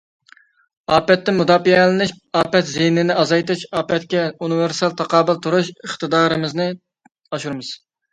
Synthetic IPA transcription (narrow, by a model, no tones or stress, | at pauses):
ɑːpɛt̪ːɪmud̪ɑːfiɛlɨnɪʃ | ɑːpɛt̪zehnɪnɪɑzɑjt̪ɨt͡ʃɑːpɛt̪kʲɛunɨvɪɾsɑlˠt̪ʰɑqɑːbɨlˠt̪ʰuɾuʃəχt̪ɨd̪ɑːɾɨmɪznɨ | ɑʃuɾmɨz̥